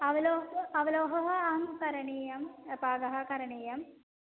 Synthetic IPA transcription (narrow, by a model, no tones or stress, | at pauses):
ɐʋɐloːɐʋɐloːɦɐɦɐɐɦɐmukɐɾɐɳiːjɐmpaːɡ̪ɐɦɐkɐɾɐɳiːjɐm